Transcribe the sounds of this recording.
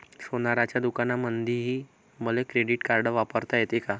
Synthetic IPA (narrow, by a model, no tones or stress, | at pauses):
sonaɾat͡ɕjad̪ukanamənd̪ʱiɦiː | məlekɾeɽiʈkaɾɖəʋapəɾt̪ajet̪eka